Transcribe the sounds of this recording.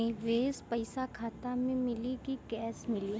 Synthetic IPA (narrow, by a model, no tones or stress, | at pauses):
eʋeːzpɐɪsakʰaːt̪amẽmɪlikikɛːsmɪli